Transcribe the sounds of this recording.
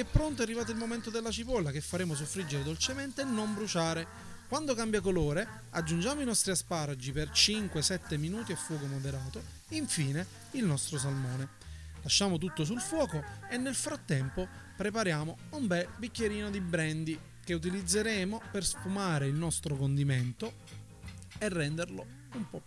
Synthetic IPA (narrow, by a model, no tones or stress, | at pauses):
ɛpːɾoɔnt̪̬oarːivaːt̪oilmoment̪od̪elːat͡ʃipɔlːakefːaɾeːmos̬ofːɾid͡ʒːeɾed̪olt͡ʃement̪enːombɾut͡ʃaːɾe | kwand̪okambjakoloːɾe | ad͡ʒːund͡ʒaːmoinɔst̪ɾiaspaːɾad͡ʒipert͡ʃiŋkwesɛt̪ːeminuːt̪iafːwɔːkomod̪eɾaːt̪o | iɱfiːne | ilnɔst̪ɾosalmɔːne | laʃːaːmot̪̬ut̪ːos̬ulfwɔːkoenːelfɾat̪ːɛmpo | pɾep̬aɾjaːmoumbɛlbikːeɾiːnod̪ibɾɛnd̪i | k̟eut̪̬ilid̪zːeɾeːmoperspumaːɾeilnɔst̪ɾokond̪iment̪o | erːɛnd̪erlo | umpɔ